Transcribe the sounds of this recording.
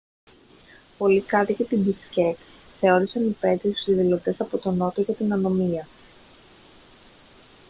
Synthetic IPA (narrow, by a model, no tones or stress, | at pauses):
po̞likɐt̪icet̪ibiscek | θe̞o̞ɾisɐnipe̞t̪iusiðilo̞t̪e̞sɐpo̞t̪o̞no̞t̪oʝɐt̪inɐno̞miɐ